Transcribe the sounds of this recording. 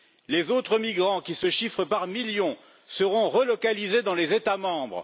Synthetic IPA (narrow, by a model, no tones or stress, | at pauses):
lezot̪χəmiɡʁɑ̃kʲisəʃifχəpaʁmiljɔ̃ | səʁɔ̃ʁəlɔkalized̪ɑ̃lezet̪amɑ̃bʁ